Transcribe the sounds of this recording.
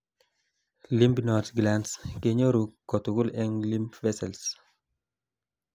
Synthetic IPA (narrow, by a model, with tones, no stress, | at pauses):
li˦mbnɔ˨t̪ɡlanske˦ɲo˦ɾu˨kːɔ˨t̪u˨ɡu˦lɛ˦ŋli˦mvɛ˦sɛ˨ls